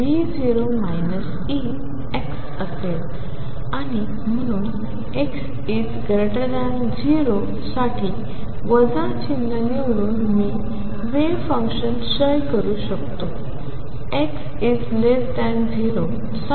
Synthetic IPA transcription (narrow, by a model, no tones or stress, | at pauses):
ʋid͡ziɾomajnəs | i | eks | əsel | aɽ̃i | m̤əɽ̃uːn | eks | it͡sɡʱɾeʈəd̪ãn | d͡ziɾo | saʈʰiː | ʋəd͡zãt͡ɕinːaneʋɽuːnmiː | ʋefə̃ŋkɕənɕəjkəɾuɕəkt̪o | eks | id͡zlesd̪ɛ̃nd͡ziɾo | s